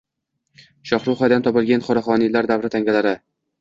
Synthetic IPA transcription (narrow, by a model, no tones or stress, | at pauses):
ʃɒχɾuwχɒjd̪ant̪ʰɒpɪlˠɡʲanχɒɾaχɒnilaɾd̪avɾɪt̪ʰaŋɡʲalaɾɪ